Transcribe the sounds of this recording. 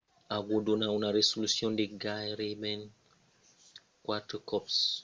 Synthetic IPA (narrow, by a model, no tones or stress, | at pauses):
aɡodonawnaɾesolusjɔ̃ndeɡajɾebɛn | kwatəkɔps